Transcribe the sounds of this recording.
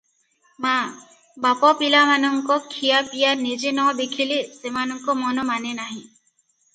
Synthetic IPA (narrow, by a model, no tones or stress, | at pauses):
ma | bapɔpilamanɔŋkɔkʰijapijanid͡ʒenɔd̪ekʰilesemanɔŋkɔmɔnɔmanenaɦĩ